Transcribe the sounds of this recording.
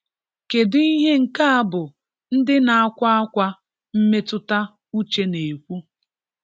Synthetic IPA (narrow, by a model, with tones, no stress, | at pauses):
ke˨dɪ˦i˦ɦe˦ŋ̩˨ka˦a˦bʊ˨ | n̩˦dɪ˦na˨a˦kʷa˦a˦kʷa˦ | m̩˦me˦tʊ˦ta˦ | u˦t͡ʃe˦ne˨kʷu˦